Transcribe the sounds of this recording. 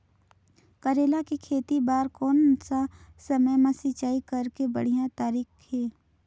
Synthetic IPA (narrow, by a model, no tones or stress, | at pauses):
kəɾeːlakikʰeːt̪ibaːɾkɔːnsasəməjmãsɪt͡ʃaːikəɾkebə̰ɽ̤ijãt̪aːɾiːxheː